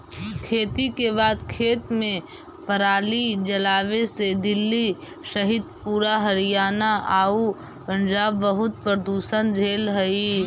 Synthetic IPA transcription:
kʰeːt̪ikeβaːd̪kʰeːt̪mẽ | pʰəɾaːlid͡ʒɐlaːʋesed̪ɪlːi | ʃɐɦɪd̪puːɾaɦɐɾijaːnaʔaːu | pə̃ɲd͡ʒaːbːəɦʊt̪̚pəɾd̪uːʃənd͡ʒʱeːlɦəi

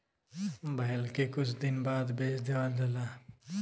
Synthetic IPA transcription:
bəɦɪlkekʊt͡ʃʰd̪ɪnbaːd̪beːt͡ʃd̪eʋaːd͡ʒəlaː

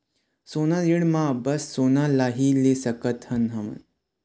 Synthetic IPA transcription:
sonadiɽmabəsːonalaɦilesəkət̪hənɦəmə̰n

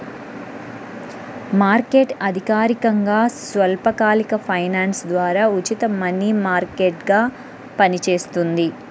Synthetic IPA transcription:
maːɾkeːʈɐd̪ʱikaːɾikɐŋɡaːsʋɐlpɐkaːlikɐpʰɐjnaːnsd̪ʋaːɾaːut͡ʃit̪ɐmɐnimaːɾkeːʈɡaː | pɐnit͡ʃe̞ːst̪und̪i

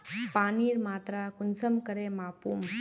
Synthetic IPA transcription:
paːniːɾmaːt̪ɾakʊnsəmkəɾeːmaːpuːm

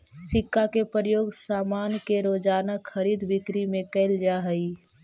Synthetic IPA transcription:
sɪkːakepɾəjoːɡsaːmaːnkeɾoːd͡ʒaːnakʰːəɾiːd̪bɪkɾimẽkəɪld͡ʒaɦəi

